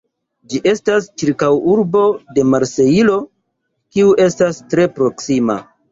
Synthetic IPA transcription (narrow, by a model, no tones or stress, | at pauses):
d͡ʒiʔe̞stast͡ʃiɾkawuɾbo̞de̞maɾse̞ilo̞ | kiuʔe̞stastɾe̞pɾo̞ksima̰